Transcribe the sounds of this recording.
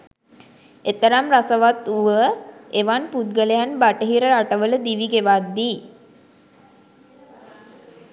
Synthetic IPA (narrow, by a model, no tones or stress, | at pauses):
et̪əɾamrasəʋat̪uʋəeʋanput̪̚ɡələjanbaʈəɦiɾəɾaʈəʋələd̪iʋiɡeʋad̪ːiː